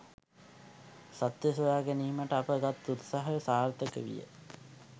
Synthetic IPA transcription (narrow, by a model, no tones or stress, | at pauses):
sat̪jəsuʋaːɡeniːməʈəapəɡat̪ːut̪saɦəsaːrt̪əkəʋḭjə̰